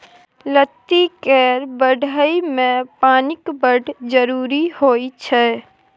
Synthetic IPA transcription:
lət̪ːikɛːɾbəɖʱəimẽpaːnɪkbəɖʱd͡ʒəɾuːɾihoːit͡ʃʰɛː

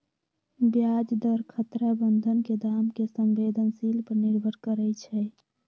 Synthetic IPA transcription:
bjad͡ʒd̪əɾkʰət̪ɾabənd̪ʱənked̪amkesə̃mbed̪ʱənsilpəɾniɾbʱəɾkəɾɛt͡ʃʰɛ

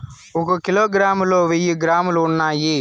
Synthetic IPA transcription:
ɔkɐkiloːɡɾaːmloːʋijuɡɾaːmluːɳːaːji

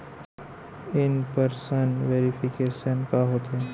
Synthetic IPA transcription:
ɪnpəɾsənʋeːɾipʰɪkeːʃənkaɦoːt̪ɦɛː

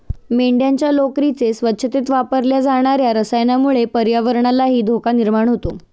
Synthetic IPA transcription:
meɳɖjaɲt͡ɕjalokɾit͡sesʋətːɕʰət̪it̪ʋapəɾljad͡zaɽ̃aɾjaɾəsajnamuɭepəɾjaʋəɾɳalaɦiːd̪ʱokaniɾmaɳ̃ɦot̪o

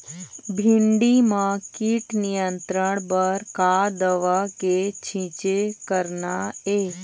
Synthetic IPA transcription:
bʱɪ̃ɳɖimãkiʈnijənt̪ɾəɳbəɾkad̪əʋaket͡ʃʰĩt͡ʃekəɾnaeː

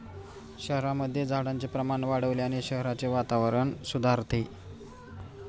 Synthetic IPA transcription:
ɕəɦɾaməd̪ʱːjed͡zʱaɽant͡sepɾəmaɳʋaɽəʋleaɽ̃iɕəɦɾat͡seʋat̪aʋəɾəɳsud̪ʱaɾt̪ʰe

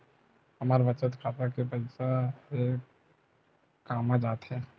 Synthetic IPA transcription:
hɐmaːɾʋɐt͡ʃə̃t̪kʰaːt̪ɾakepɐɪsae | kaːmad͡ʒaːt̪ɦɛː

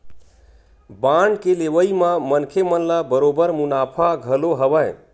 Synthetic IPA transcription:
baɳɖkeleʋəimãmənkʰemənlabəɾobəɾmunapʰaɡʱəloɦəbə

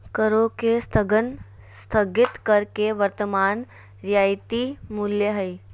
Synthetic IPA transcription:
kəɾokest̪ʰəɡən | st̪ʰɐɡɪt̪kɐɾkeʋəɾt̪əmaːn | ɾjaːɪt̪imʊljəɦɐi

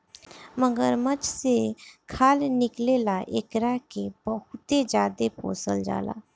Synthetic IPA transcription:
məɡəɾmət͡ʃsekʰaːlnɪklelaʔekɾakebəɦʊt̪ed͡ʒjaːd̪epo̰ːsə̰ld͡ʒa̰ːla̰ː

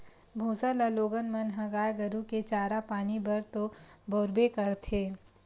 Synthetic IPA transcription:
bʱũːsələloːɡənmənɦɐɡaːjɡəɾũket͡ʃaːɾapaːnibɐɾt̪oboːɾbekɐɾt̪ʰeː

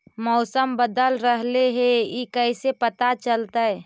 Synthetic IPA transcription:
mɔːsəmbəd̪əlɾəɦleɦɛikəɪsepət̪at͡ʃəlt̪aɦɛː

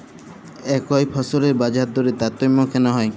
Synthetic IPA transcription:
ɛkɔjpʰɔsɔɾeɾbad͡ʒaɾd̪oɾit̪at̪ɔjmɔkʰenɔɦɔj

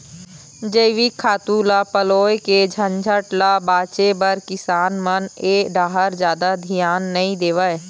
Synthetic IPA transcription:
d͡ʒəɪʋikʰaːt̪uːlapəloːeked͡ʒʱənd͡ʒʱəʈlabaːt͡ʃebəɾkɪsaːnməneːɖaːɦəɾd͡ʒjaːd̪ad̪ʱijaːnːəɦĩd̪eːʋə

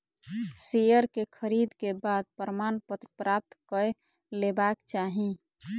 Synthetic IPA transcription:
sijəɾkekʰəɾid̪kebad̪̚pəɾəmanpət̪ɾəpɾap̚t̪kə | lebakt͡ʃaɦĩ

